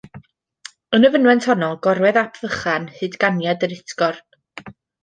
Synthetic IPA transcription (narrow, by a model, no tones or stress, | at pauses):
ənəvənwɛntʰhɔnɔlˠɡ̥ɔɾwɛðapʰv̥əχanhɨːdɡanjadəɾɪtʰɡɔr